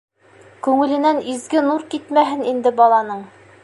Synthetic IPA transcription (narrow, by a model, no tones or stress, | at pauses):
kʉŋɘ̆lɘ̆nænizɡɘnuɾkit̪mæɦɘnind̪ɘbɑlˠɑnɤɴ